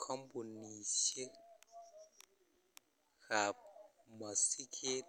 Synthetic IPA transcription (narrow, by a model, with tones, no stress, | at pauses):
kʰɔ˦mbu˨nːi˨se˦ | xa˨p̚ma˨si˦kʰe˦